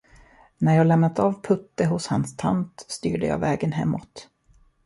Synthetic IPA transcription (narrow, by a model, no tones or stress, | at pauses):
næɾjɑːɡlɛmnat̪ɑːvpʰɵt̪ːəɦʊshanst̪ʰa̰nt̪st̪y̰ːɖəjɑ̰ːvɛːɡənɦɛ̰mːʔɔt̪